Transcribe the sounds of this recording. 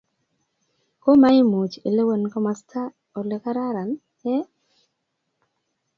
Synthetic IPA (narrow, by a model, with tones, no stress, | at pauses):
ko˦ma˦ɪ˦mo˨t͡ʃḛ˨le˦we˦˨nkɔ˦ma˨stʰa˦ | o˨le˨ka˦ɾa˦ɾa˨n | ɛ˦